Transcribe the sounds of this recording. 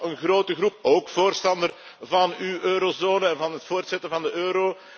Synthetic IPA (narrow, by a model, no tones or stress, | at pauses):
ənɣroːtəɣrup̚oːkfoːrstɑndər | vɑnyʔøːɾozoːnəɛnvɑnɦətfoːrtsɛtəvɑndəʔøːɾoː